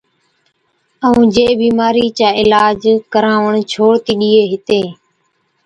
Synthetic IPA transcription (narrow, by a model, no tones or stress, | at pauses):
əũːd͡ʒeːbiːmaːɾiːt͡ʃaːɪlaːd͡ʒkəɾãːʋəɳt͡ʃʰoːɽt̪iːɗiːeːɦɪt̪eː